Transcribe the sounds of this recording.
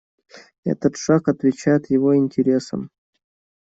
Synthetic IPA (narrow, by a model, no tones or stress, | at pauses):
ɛ̰t̪ət̪ʂakɐt̪vʲɪt͡ɕæjɪt̪jɪvoɪnʲtʲɪɾʲe̞sə̰m